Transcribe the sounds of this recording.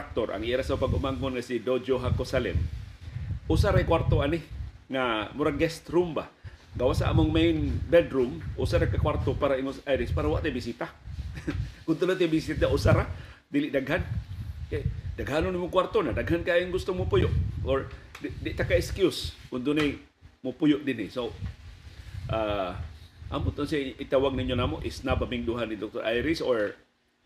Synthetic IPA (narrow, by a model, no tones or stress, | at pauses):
ak̚t̪ɔrʔa̰ŋiɾasapaɡɔʔmaŋɔnŋasidod͡ʒoɦakɔsalɛ̰m | ɔsaɾajkwart̪oanihŋamuɾaɡɛst̪rumba̰hɡawasa̰ʔmuŋmeinbɛdɾumusaɾakakwart̪ɔpaɾaiŋɔsaiɾispaɾawaʔt̪ebisit̪a | kunt̪ulat̪ebisiausaɾa | diliʔdaɡɦankajdaɡɦanɔnimukwart̪onadaɡɦankajiŋɡʊst̪ʊŋmupujʊʔɔɹddɛʔt̪akaɛkskjʊskʊnt̪ʊne | mopujʊʔdiniso | ʔa | ʔa̰mʊt̪ɔnsaʔit̪awaɡ̚naiɲonamoʔisnabamiŋduɦanidɔk̚t̪ɔɾʔajɾisɔɹ